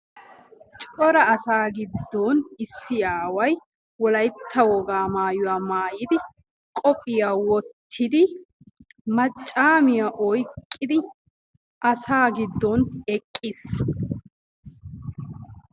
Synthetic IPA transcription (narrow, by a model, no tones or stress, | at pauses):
t͡ʃʼɔɾɐɐsaːɡɪd̪ːɔnɪsːɪjaːwɐj | wɔlɐjt̪ʰːɐwɔɡaːmaːjʊwaːmaːjɪd̪ɪ | kʼɔpʼɪjaːwɔt̪ʰːɪd̪ɪ | mɐt͡ʃʼːaːmɪjaʔɔjkʼːɪd̪ɪ | ʔɐsaːɡɪd̪ːɔnɛkʼːɪs